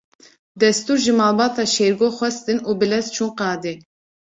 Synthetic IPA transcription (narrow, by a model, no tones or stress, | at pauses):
d̪ɛst̪uɾʒimɑlˠbɑt̪ʰɑʃeɾɡoχʷwɛst̪ɨnubɪlɛzt͡ʃʰuŋqɑːd̪ɪ